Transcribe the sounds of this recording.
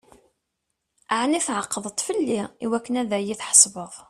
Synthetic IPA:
aʕniθʕəqːəðˤət̪ˤfəlːiiwækːənæðæjiθħə̥sˤbəðˤ

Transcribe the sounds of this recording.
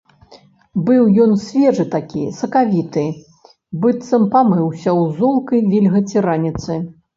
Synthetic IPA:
bɨwjɔnsʲvʲɛʐɨt̪akʲḭsɐkavʲit̪ɨ | bɨt̪sɐmpamɨwsʲɐwzɔlˠkɐjvʲilʲɣɐt͡sʲiɾanʲit̪sɨ

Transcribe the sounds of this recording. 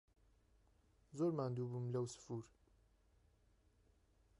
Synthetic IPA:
zoɾmand̪ubumlawsɨ̥fuɾ

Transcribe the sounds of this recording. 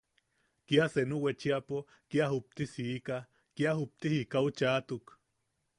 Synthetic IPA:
kiasenuwet͡ʃiapo | kiaɦup̚t̪isiːka | kiaɦup̚t̪ihikaut͡ʃaːt̪uk

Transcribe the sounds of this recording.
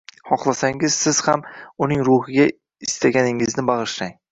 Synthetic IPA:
hɒχlˠasaŋɪz̥sɪz̥hamʊnɪŋɾʊhɪɡʲa | ɪst̪ʰaɡʲanɪŋɪznɪbɑʁɨʃɾaŋ

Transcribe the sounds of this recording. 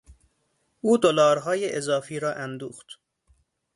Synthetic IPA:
ʔuːd̪olɒːɾɦɒːjeʔezɒːfiːɾɒːʔænd̪uːxt̪

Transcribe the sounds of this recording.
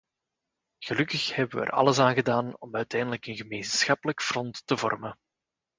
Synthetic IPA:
ɣəlɵkəxhɛbəʋə̰ɛ̰rɑ̰ləsaːnɣədaːnɔmœɥtɛjndələkənɣəmeːnsxɑpələkfrɔntːəvɔ̰rmə

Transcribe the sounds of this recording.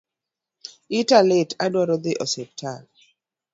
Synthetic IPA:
italɪtadwaɾɔd̪ɪʔɔsɛp̚tʰal

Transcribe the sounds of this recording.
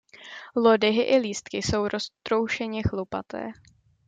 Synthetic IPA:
lodɪɦɪʔɪliːst̪kɪso̞wɾo̞st̪ɾo̞wʃɛɲɛxlopa̰t̪ɛ̰ː

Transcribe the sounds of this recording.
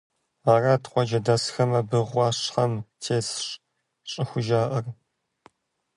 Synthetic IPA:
aːratqʷɔd͡ʒɐdɐsxɐmɐbɨʁʷɑːɕħɐmtʰeːsɕ | ɕʼɪxʷʊʒaːʔɐr

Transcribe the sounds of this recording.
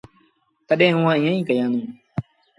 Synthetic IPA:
t̪əɗɛ̃ːɦʊãːɪ̃jãːĩːkəjãːnũː

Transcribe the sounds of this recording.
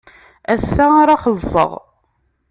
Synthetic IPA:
æsːaaɾaχəlːsˤə̰ʁ

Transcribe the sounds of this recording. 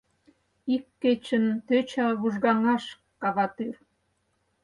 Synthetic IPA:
ikːet͡ɕənt̪øt͡ɕɑβuʒɣɑŋɑʃ | kɑβɑt̪yr

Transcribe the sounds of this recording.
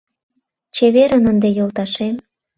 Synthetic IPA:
t͡ɕeβeɾənənd̪ejolt̪ɑʃem

